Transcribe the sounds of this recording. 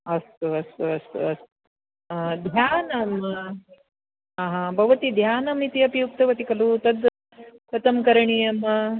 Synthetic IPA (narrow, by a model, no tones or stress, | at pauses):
ɐst̪uɐst̪uɐst̪ṵɐst̪u | d̪ʱjaːnɐm | aːɦɐbʱɐʋɐt̪id̪ʱjaːnɐmnit̪iɐpijuk̚t̪ɐʋɐt̪ikɐlut̪ɐd̪ | k̪ɐt̪ɐmkɐɾɐɳijɐmɐ